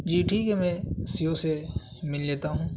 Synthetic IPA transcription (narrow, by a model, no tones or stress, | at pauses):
d͡ʒiːʈʰiːkemɛ̃ːsijose | mɪlleːt̪aɦũː